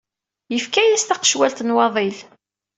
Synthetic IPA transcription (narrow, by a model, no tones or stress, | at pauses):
jəfkæjæst̪ɑqə̥ʃwælt̪ənwɑðˤil